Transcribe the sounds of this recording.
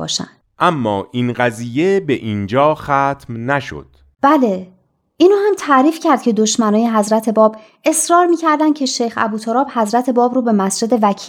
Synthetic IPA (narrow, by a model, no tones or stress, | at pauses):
ɒ̰ːʃæ̰nd̪̥ʔæmːɒːʔiːnɢæziːje̞beʔiːnd͡ʒɒːxæːt̪ʰmnæʃo̰d̪̥ | b̥æle̞ | ʔinoːhæmt̪ʰæɾiːfcʰæɾd̪̚cʰe̞d̪oʃmænɒːje̞ɦæzɾæt̪ʰe̞bɒːb | ʔe̞sɾɒːɾmiːcʰæɾd̪æn̥cʰe̞ʃejxæ̰buːt̪ʰoɾɒːb̥hæzɾæt̪ʰe̞bɒːbɾuːbe̞mæsd͡ʒe̞d̪e̞væcʰiː